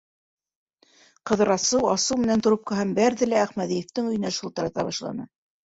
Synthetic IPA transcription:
qɤ̆ðɤ̆ɾɑsɤwɑsɤwmɘ̆nænt̪ŏɾop̚qɤ̆ɦɑmbæɾðɘ̆læːχmæðijɘ̆ft̪ɘŋɵ̆jɘ̆næʃŭlˠt̪ɤ̆ɾɑt̪ɑβɑʃlˠɑ̰nɤ

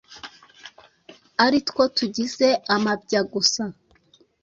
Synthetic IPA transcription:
aɾitko̞tuɟize̞amab̚ɟaɡusa

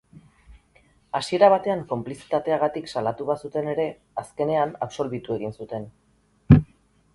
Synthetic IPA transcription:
asie̞ɾaβ̞at̪e̞aŋko̞mplisi̥t̪at̪e̞aɣ̞at̪iksalat̪uβasut̪e̞ne̞ɾe̞ | aske̞ne̞anapso̞lβ̞it̪ue̞ɣ̞insut̪e̞n

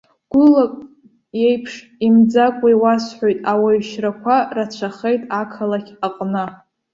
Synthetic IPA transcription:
ɡ̥ʷʊlakʷʼ | je̞jpʰʂ | imd͡zakʷʼajwasħʷojtʼawaɥʃrakʷʰarat͡ɕʷʰaχejtʼakʰalakʲʰaqʼnɨ

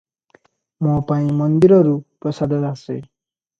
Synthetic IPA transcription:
mɔpaĩmʌnd̪iɾɔɾupɾɔsad̪ʱʌt̪asḛ

